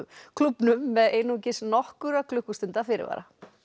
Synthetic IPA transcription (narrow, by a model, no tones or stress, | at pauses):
kʰlupnʏmːɛðeːjnucɪsnɔhkʏɾakʰlʏhkʏst̪ɪnt̪afɪːɾɪ̰va̰ːɾa